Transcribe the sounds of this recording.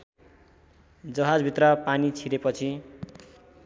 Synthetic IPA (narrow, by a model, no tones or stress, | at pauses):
d͡zʌɦad͡zbʱit̪rʌpanit͡sʰiɾepʌt͡sʰi